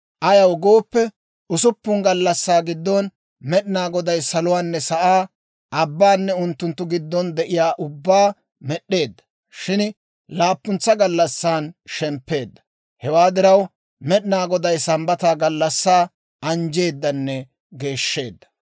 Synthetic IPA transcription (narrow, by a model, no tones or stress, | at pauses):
ʔɐjɐwɡo̞ːpːɛ | ʔʊsʊpːʊŋɡɐlːɐsːaːɡɪd̪ːɔn | mɛɗɪnaːɡɔd̪ɐjsɐlʊwaːnːɛsɐʔaː | ɐbːaːnːɛʊnt̪ːʊnt̪ːʊɡɪd̪ːɔnd̪ɛʔɪjaːʔʊbːaː | mɛɗːe̞ːd̪ːɐ̥ | ʃɪn | laːpːʊnt͡sːɐɡɐlːɐsːaːnʃɛmpːe̞ːd̪ːɐ̥ | hɛwaːd̪ɪɾɐw | mɛɗɪnaːɡɔd̪ɐjsɐmbɐt̪aːɡɐlːɐsːaː | ɐnd͡ʒe̞ːd̪ːɐnːɛ | ɡe̞ːʃːe̞ːd̪ːɐ̥